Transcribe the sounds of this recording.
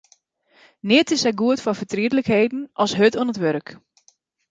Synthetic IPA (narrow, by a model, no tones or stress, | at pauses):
nɪətɪsɛjɡuətfɔfətriədləkheːdn̩ʔɔsɦøtɔənətʋøɾk